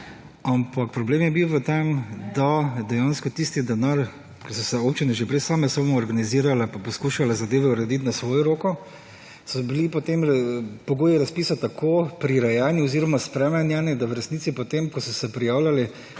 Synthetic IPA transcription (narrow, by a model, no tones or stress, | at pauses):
ampak̚pɾɔbleːmjɛbiwʋət̪emd̪ad̪ɛjaːnskɔt̪ist̪id̪ɛnaɾ | kɛsɔsɛoːpt͡ʃinɛʒɛpɾɛsaːmɛsɔbmɔɔɾɡaniziːɾalapapɔskuːʃalazad̪eːʋɛuɾɛd̪it̪nasʋoːjɔɾoːkɔ | sɔbilipɔt̪empɔɡoːjɛɾaspiːsat̪akʰoːpɾiɾajaːnjiɔziːɾɔmaspɾɛmɛnjanid̪awɾɛsniːt̪sipɔt̪emkɔsɔsɛpɾijaːwlali